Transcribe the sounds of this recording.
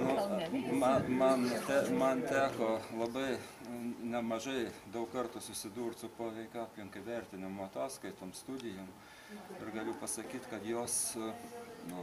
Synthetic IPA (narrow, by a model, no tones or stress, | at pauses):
nʊmɐmɐnt̪ʲæmɐnt̪ʲæːkoːlˠɐbɐɪ | nʲɛmɐʒɐɪd̪ɐʊkkɐrt̪ʊsʊsʲɪd̪uːrt̪sʊpoːʋʲɛɪkʲʊaːpʲlʲɪŋkɐɪʋʲæɾʲt̪ʲɪnʲɪmʊɐt̪ɑːskɐɪt̪oːmst̪ud̪ʲɪjoːm | ɪrɡɐlʲʊpɐsɐkʲiːt̪kɐt̪joːs